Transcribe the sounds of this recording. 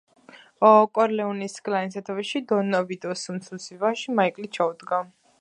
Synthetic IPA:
ɔkʼɔɾlɛunisɡʼlainsat̪ʰaviʃid̪ɔnɔvid̪ɔsunt̪sʰusivaʃimaikʼlit͡ʃʰaud̪ɡa

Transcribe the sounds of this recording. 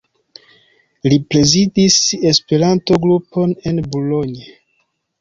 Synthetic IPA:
lipɾe̞zidise̞spe̞ɾanto̞ɡɾupo̞ne̞nbulo̞ɲe

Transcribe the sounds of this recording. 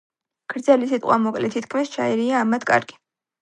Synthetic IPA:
kʰɾd̪zɛlisit̪ʼqʼwamɔkʼlɛt̪ʰit̪kʰmist͡ʃʰaiɾiaːmat̪ʰkʼa̰ɾɡi̥

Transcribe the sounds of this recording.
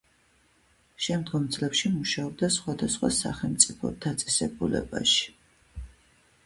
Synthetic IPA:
ʃɛmd̪ɡɔmd̪zlɛpʃimuʃaɔb̚d̪asχwad̪asχwa̰sa̰χɛlˠmt̪sʼipʰɔ̰d̪̥at̪sʼɛsɛbulɛ̰ba̰ʃi̥

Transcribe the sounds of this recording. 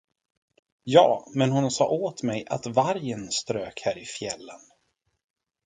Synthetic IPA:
jɑːmɛnhʊnsɑ̰ːʔoːt̪mɛjʔa̰t̪vaɾjənst̪ɾøːkhæːɾɪfjɛlːən

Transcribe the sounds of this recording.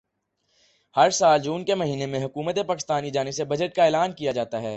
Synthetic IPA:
hɐɾsaːld͡ʒuːnkemɐɦiːnemẽɦʊkuːmət̪̬epaːkɪst̪aːnid͡ʒaːnɪbsebɐd͡ʒəʈ̚kaeːlaːnkijad͡ʒaːt̪aɦɛː

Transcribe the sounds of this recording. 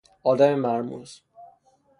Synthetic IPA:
ɒːd̪æmemæɾmṵːz̥

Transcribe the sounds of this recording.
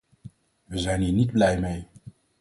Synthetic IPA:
ʋəzɛjnɦiːɹnidblɛjmej

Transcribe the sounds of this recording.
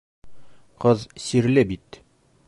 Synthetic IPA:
qɤðsiɾlɘbit̪

